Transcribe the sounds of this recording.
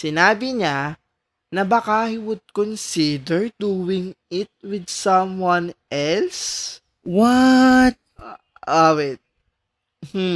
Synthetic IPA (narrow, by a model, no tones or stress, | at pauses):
sɪnaːbɪɲa | nɐbɐkahiwʊd̪̚kɔnsɪd̪ɛɹd̪uːwɪŋɪt̪̚wɪd̪̚sɐ̃mwɐnʔɛls | wat̪̚ | ʔawɛt̪̚ | m̩